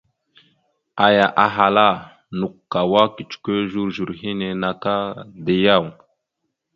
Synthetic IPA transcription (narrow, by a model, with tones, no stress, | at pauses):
a˨ja˨ʔa˨ɦa˨la˦ | nu˨kːa˨wa˦ki˨t͡ʃu̥˨ke˦ʒu˦ɾʒu˨ɾɦi˦ne˨na˨ka˦də˨ja˦˨w